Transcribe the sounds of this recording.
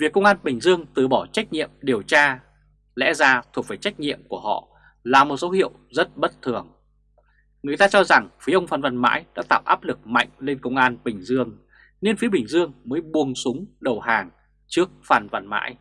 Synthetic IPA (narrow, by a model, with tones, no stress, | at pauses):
vi˨˩əkːə˧wŋ͡mʔaː˧nɓï˨˩ŋ̟zɨ˧əŋt̪ɨ˧˩ɓɔ˧˩t͡ɕa˦˥k̟̚ɲḭ˧˨əmɗi˨˩əwt͡ɕaː˧ | lɛ̰˧˥zaː˧t̪ʰu˨˩ək̚vaː˧˩jt͡ɕa˦˥jk̟̚ɲḭ˧˨əmku˧˩əhɔ̰˧˨ | laː˨˩mo˨˩t̚so˨˦whḭ˧˨əwzə˦˥t̚ɓə˦˥t̚t̪ʰɨ˨˩əŋ | ŋɨ˨˩əjt̪aː˧t͡ɕɔ˧za˨˩ŋfi˨˦ʔə˧wŋ͡mfaː˨˧˩nva˧˩nma̰ː˧˥jɗa̰ː˧˥t̪a̰ː˧˨wʔaː˦˥p̚lɨ˨˩k̚ma̰˧˨jŋ̟le˧nkə˧wŋ͡mʔaː˧nɓï˨˩ŋ̟zɨ˧əŋ | ne˧nfi˨˦ɓï˨˩ŋ̟zɨ˧əŋməː˨˦jɓu˨˩əŋsʊ˨˦ŋ͡mɗə˨˩whaː˨˩ŋ | t͡ɕɨ˦˥ək̚faː˨˩nva˧˩nma̰ː˧˥j